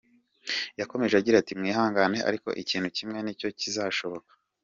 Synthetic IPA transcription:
jako̞me̞ʒeaɟiɾatimŋiːɦaːŋɡane̞ʔa̰ɾiko̞̰ʔiciːnhucimŋe̞nico̞cizaʃo̞βo̞kḁ

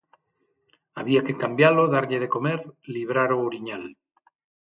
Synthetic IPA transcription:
aβiake̞kambjalo̞ðaɾʎeð̞e̞ko̞meɾliβ̞ɾaɾoːɾiɲal

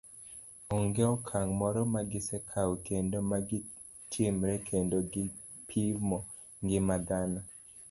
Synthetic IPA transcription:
ɔŋɡeɔkʰaŋmɔɾɔmaɡɪsɛkʰawkendomaɡɪ | tʰimɾɛkʰendoɡɪ | pʰimɔ | ŋɡɪmad̪ana

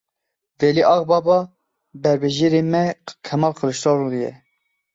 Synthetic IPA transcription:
vɛliʔɑɣbɑːbɑ | bɛɾbɛʒeːɾemɛkʰɛmɑːlkʰəɾɨʃt̪ɑːɾud̪ɨjɛ̰

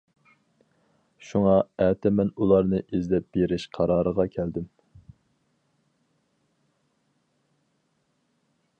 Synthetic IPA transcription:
ʃuŋɑæːt̪ʰɛmɛnulˠɑɾnɨʔizd̪ɛp̚b̥eɾɪʃqʰɑɾɑːɾəʁɑkʲʰɛld̪ɪm

